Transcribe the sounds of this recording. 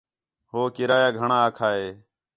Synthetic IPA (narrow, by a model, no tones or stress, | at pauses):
ɦoːkɪɾaːjaːɡʱəɳãːaːkʰaːɦeː